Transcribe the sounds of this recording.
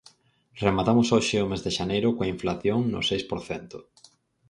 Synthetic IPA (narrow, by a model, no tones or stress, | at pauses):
remat̪amʊsoʃɪʊmezðeʃanejɾʊkoaĩɱflaθjoŋnʊ̰sejspoɾθɛnt̪ʊ̥